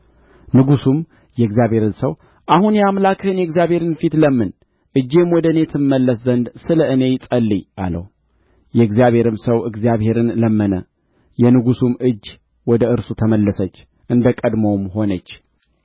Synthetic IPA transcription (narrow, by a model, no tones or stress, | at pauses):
nɨɡusum | jɛɨɡzijaβhe̞ɾɨnsəw | ʔahunjɛamlakɨhɨnjɛɡzjaβhe̞ɾɨnfit̪ləmːɨn | ʔɨd͡ʒːe̞mwɔd̪əne̞t̪ʰɨmːəlːəszənd̪sɨləɨne̞sʼəlːijʔa̰lə̰w | jɛɡzjaβhe̞ɾɨmsəwɨɡzjaβhe̞ɾɨnləmːənə | jɛnɨɡusumɨd͡ʒː | wɔd̪əɨɾsut̪ʰəməlːəsət͡ʃː | ʔɨnd̪əkʼəd̪momho̞nət͡ʃː